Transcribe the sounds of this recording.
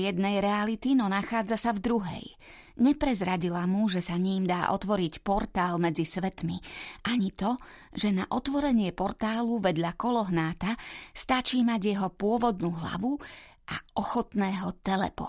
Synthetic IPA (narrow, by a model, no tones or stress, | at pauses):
jɛd̪nɛjɾɛalit̪inɔnaxaːd͡zasavd̪ɾuɦɛ̰j | ɲɛpɾɛzɾaɟilamuʒɛsaɲiːmd̪aːʔɔ̰t̪ʋɔɾicpɔɾt̪aːlmɛd͡zisʋɛt̪miʔaɲit̪ɔʒɛnaʔɔt̪ʋɔɾɛɲɪɛpɔɾt̪aːluʋɛd̪ʎakɔlɔɦnaːt̪ast̪at͡ʃiːmaɟjɛɦɔpʊɔʋɔd̪nuːɦla̰ʋuʔaɔxɔt̪nɛːɦɔt̪ɛlɛ̰pɔ̰